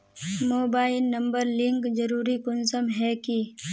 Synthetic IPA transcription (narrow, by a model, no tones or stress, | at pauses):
moːbaːɪlnɐ̃mbəɾlɪ̃ŋkd͡ʒɐɾuːɾikʊnsəmɦɛki